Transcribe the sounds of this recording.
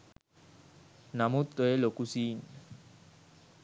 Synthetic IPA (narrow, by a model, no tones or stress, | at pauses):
namut̪ːoelokusin